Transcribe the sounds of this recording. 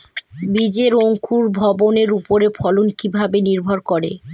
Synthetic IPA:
bid͡ʑeɾoŋkʰuɾbʱɔboneɾupoɾepʰɔlonkibʱabeniɾbʱoɾkɔɾḛ

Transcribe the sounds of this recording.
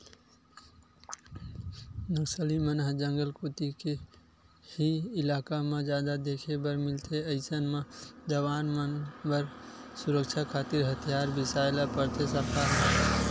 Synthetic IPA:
nəksəlimənɦd͡ʒə̃ŋɡəlkoːt̪ike | hiɪlaːkamẽd͡ʒjaːd̪ad̪eːkʰebəɾmɪlt̪ʰeɐɪsənmãd͡ʒəʋaːnmənbəɾsʊɾəkt͡ʃʰakʰaːt̪ɪɾɦət̪ʰijaːɾbɪsaːjlapəɾt̪ʰesəɾkaːɾɦə

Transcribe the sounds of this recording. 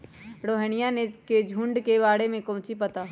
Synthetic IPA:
ɽoːɦəñɪjaneked͡ʒʱũɳɖkeβaːɽemẽkõːt͡ʃipɐt̪aː

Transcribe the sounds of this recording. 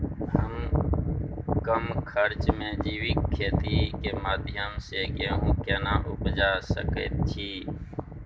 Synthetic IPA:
ɦəm | kəmkʰəɾt͡ʃmẽːd͡ʒiːʋɪkʰːeːt̪iːkeːmaːd̪ʱɪjəmseːkeːɦũːkeːnaːʔʊpd͡ʒaːsə̰kḛːt̪̚t͡ʃʰiː

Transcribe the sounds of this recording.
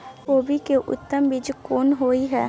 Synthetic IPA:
koːbʱikeʔʊ̰t̪ːəmbɪd͡ʒkoːnɦoːiɦɛː

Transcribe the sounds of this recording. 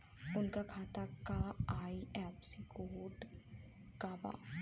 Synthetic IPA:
ʊnkakʰaːt̪akaaːiɛːpsikoːɖ | kaːba̰ː

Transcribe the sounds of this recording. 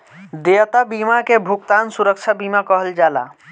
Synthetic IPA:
d̪eət̪abimakebʱukt̪ansuɾək̚t͡ʃʰabimakəɦəld͡ʒaːla̰

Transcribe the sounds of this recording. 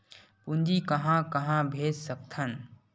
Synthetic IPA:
pund͡ʒikəɦãkɐɦãbʱeːd͡ʒsəkt̪ʰən

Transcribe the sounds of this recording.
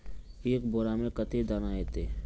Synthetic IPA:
eːkboːɾamẽkət̪ed̪aːnaɦeːt̪eː

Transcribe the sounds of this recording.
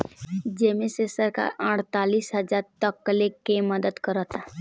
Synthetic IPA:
d͡ʒemẽsesəɾka̰ɾaːʈt̪aːliːsɦɐd͡ʒaːɾt̪əkːəlekeməd̪əd̪kəɾət̪a

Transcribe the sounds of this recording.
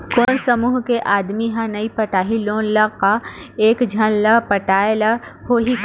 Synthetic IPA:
koːnsɐmuːɦkeʔaːd̪miɦãnɐipɐʈaːɦiloːnlɐkaeːkd͡ʒʱɐnlɐpɐʈaːelɐhoːɦik

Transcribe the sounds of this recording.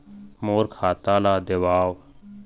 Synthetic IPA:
moːɾkʰaːt̪ãːlaːd̪əʋaːʋ

